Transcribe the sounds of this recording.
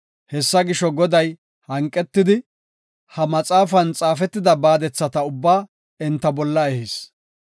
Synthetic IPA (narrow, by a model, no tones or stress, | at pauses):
hɛsːɐɡɪʃɔɡɔd̪ɐj | hɐŋkʼːɛt̪ːɪd̪ɪ | hɐmɐt͡sʼaːfɐnt͡sʼaːfɛt̪ːɪd̪ɐbaːd̪ɛt͡sːɐt̪ɐʊbːaː | ɛnt̪ːɐbɔlːɐɛhis